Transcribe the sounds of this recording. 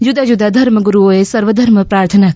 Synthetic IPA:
jud̪ajud̪ad̪ʱɐɾməɡuɾuɦoːesɐɾʋəd̪ʱɐɾməpɾaːɾt̪ʰənak

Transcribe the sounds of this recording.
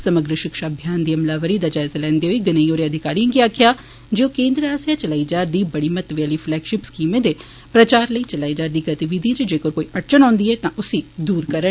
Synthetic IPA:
səməɡɾəʃɪkʃaːbʱjaːnd̪iːəmlaːʋəɾiːd̪aːd͡ʒaːzaːlɛ̃ːnd̪eːɦoiːɡɪnəioːɾeəd̪ʱɪkaːɾijãːɡiaːkʰjaː | d͡ʒeoːkẽːnd̪ɾəaːsjaːt͡ʃəlaːid͡ʒaːɾd̪iːbəɽiːmət̪ʋeaːliːpʰlɛːkʃɪpskiːmẽːd̪eː | pɾət͡ʃaːɾləiːt͡ʃəlaːid͡ʒaːɾd̪iːɡət̪iʋid̪iãt͡ʃd͡ʒeːkoːɾkoːiːʔəʈt͡ʃənɔ̃ːnd̪iːɛːt̪ãːʔʊsiːd̪uːɾkəɾə

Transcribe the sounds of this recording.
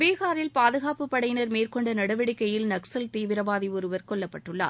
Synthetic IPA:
ʋeːɣaːɾɪlpaːðɯɣaːpɯpːɐɽɐjnɐɾmeːrkɔɳɖɐnɐɽɐʋɪɽɪkːɐjɪlnɐksɐlt̪iːʋɪɾɐʋaːðiɔɾɯʋɐɾkɔɭːɐpːɐʈːɯɭːa̰ː

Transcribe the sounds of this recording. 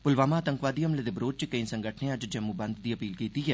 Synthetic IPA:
pʊlʋaːmaːt̪əŋkʋaːd̪iːɦəmled̪ebɾoːd͡ʒt͡ʃkəĩsəŋɡəʈʰnẽəd͡ʒd͡ʒəmːuːbənd̪d̪iːəpiːlkiːt̪iːɦɛː

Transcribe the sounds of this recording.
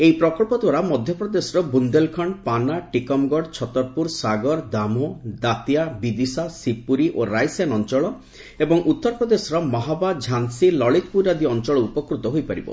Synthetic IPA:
ejpɾɔkɔɭpɔd̪waɾamɔd̪ʱjɔpɾɔd̪esɔɾɔbund̪elkʰɔɳpanaʈikɔmɡɔɖt͡ʃʰɔt̪ɔɾpuɾsaɡɔɾd̪amɔd̪at̪ijabid̪isasipuɾiʔoɾajsjanɔnt͡ʃɔɭɔ | ebɔŋʔut̪ːɔɾɔpɾɔd̪esɔɾɔmɔɦabad͡ʒʱansilɔɭit̪̚puɾad̪iɔnt͡ʃɔɭɔupɔkɾut̪ɔɦojpaɾḭbɔ̰

